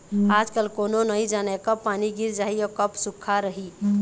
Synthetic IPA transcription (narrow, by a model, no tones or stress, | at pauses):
ad͡ʒkəlkoːnonəĩd͡ʒanekəpːaniɡiɾd͡ʒaɦiɔkəpsukʰːaɾəɦi